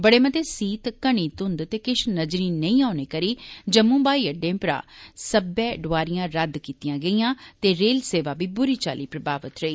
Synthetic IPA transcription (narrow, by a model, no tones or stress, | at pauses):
bəɽeːmət̪eːsiːt̪kəɳ̃iːt̪ʊnd̪t̪eːkɪʃnəd͡ʒɾiːnəĩːaːʊneːkəɾiːd͡ʒəmũːbaːiːəɖẽːpɾa̰ːsəbɛːɖʊʋaːɾɪjãːɾəd̪kiːt̪ijãːɡəiːjãːt̪eːɾeːlseːʋaːbiːbʊɾiːt͡ʃa̰ːliːpɾəbaːʋət̪ɾəiː